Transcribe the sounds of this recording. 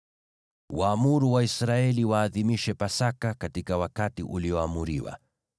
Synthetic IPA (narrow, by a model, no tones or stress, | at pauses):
waːmuɾuwaisɾaɛliwaːðimiʃɛpasakakatikawakatiʔuliɔamuɾiwa̰